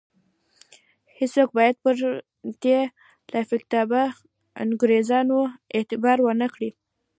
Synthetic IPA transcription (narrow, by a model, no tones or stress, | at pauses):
hɪswok̚bɑjad̪̚pəɾ | d̪̥e | lafɪkt̪ɑba̰ | nɡuɾezɑnoet̪ɪbɑɾwənəkɽi